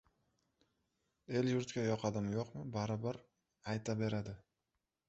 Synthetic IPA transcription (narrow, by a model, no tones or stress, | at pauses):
e̞ljʊɾt̪kʲajɒqʰɑd̪ɪmjoqmɪbaɾɪbaɾ | ajt̪ʰabe̞ɾad̪ɪ